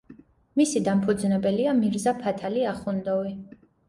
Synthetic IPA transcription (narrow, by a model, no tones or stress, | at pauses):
misid̪ampʰud̪znɛbɛliamiɾzapʰat̪ʰaliaχund̪ɔvi